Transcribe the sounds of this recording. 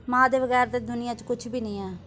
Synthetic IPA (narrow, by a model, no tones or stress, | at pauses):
mãːd̪eːʋəɣɛːɾt̪eːd̪ʊnɪjãːt͡ʃkʊt͡ʃʰbiːnĩːɛː